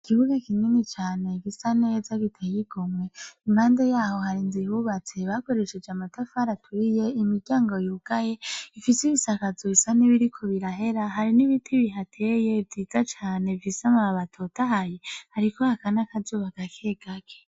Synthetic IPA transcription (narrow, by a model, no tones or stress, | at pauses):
ikiβuɡakininit͡ʃaːne̞ɡisanezaɡitʰejiɡ̥omwe̞imhaːnde̞jaːho̞haɾinzihuβat͡se̞βako̞ɾeʃed͡ʒamatafaɾatʰwije̞imiɟaːŋɡo̞juːɡ̥aje̞ifisiβisakazuisaniβiɾikʰo̞βiɾaɦe̞ɾaɦaɾiniβitʰiβiɦatʰejeviːzat͡ʃaːne̞visamaaβatʰotaɦajehaɾiko̞hakanakazuːβaɡakʰeːɡ̥ake